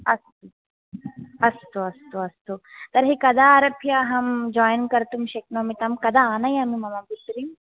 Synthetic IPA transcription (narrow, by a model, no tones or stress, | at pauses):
ɐst̪u | ɐst̪uɐst̪uɐst̪ut̪ɐɾɦikɐd̪ʱaɾɐpʰjaɦɐmd͡ʒɔːjnkɐɾt̪umʃeknomit̪ɐmkɐd̪ʱaanɐjɐmimɐmabisɾim